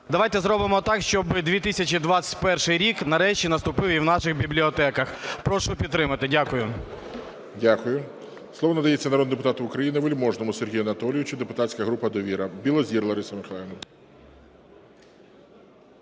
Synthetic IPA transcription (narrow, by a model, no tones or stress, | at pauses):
d̪ɐʋajt̪ɛzɾɔbɪmɔt̪ɑkʃt͡ʃɔbɪd̪ʲʋʲit̪ɪsʲɐt͡ʃʲid̪ʋɑt͡sʲɐ̥tʲpɛrʃɪjɾʲiknɐɾɛʃt͡ʃʲinɐst̪ʊpɪʋiwnɑʃɪxbʲiblʲiɔt̪ɛkɐxpɾɔʃʊpʲid̪t̪ːɾɪmɐt̪ɪdʲakʊjʊ | dʲakʊjʊ | slˠɔʋɔnɐd̪ɐjet͡sʲːɐnɐɾɔd̪d̪epʊt̪ɑt̪ʊʊkɾɐjinɪʋelʲmɔʒnɔmʊserɦʲijɐnɐt̪ɔlʲɪjʊt͡ʃʊd̪epʊt̪at͡sʲkɐɦɾupɐd̪ɔʋʲiɾɐbʲilˠɔzʲirlˠɐɾɪsɐmɪxɐlˠɛnɐ